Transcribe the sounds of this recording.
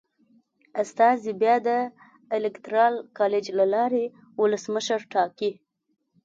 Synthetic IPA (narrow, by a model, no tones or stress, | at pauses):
ast̪ɑzibjɑd̪ə | ɪlɪkt̪ɾɑlkɑled͡ʒlalɑɾe | wʊləsməʃəɾʈɑki